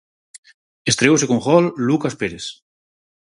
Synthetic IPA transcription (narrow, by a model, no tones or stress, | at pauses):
est̪ɾewsekoŋxɔlːukaspeɾes